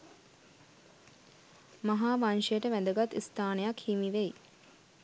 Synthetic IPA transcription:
maɦaːʋanʃejəʈəʋæd̪əɡat̪ːist̪aːnəjakhimiʋej

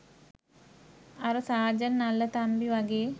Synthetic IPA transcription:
aɾəsaːd͡ʒənːalːət̪ambiʋaɡeː

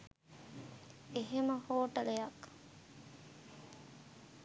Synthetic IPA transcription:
eɦeməhoːʈəlejak

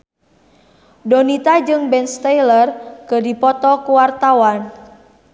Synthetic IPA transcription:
donit̪ad͡ʒɨŋbɛnst̪ajlərkədipɔt̪ɔkuwart̪awan

